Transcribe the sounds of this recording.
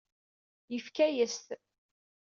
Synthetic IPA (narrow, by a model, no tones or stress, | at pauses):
jəfkæjəst̪